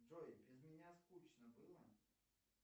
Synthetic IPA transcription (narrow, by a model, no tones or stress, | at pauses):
ʐoɪbʲɾʲɪzmʲɪnʲaskut͡ɕnəbɨlˠə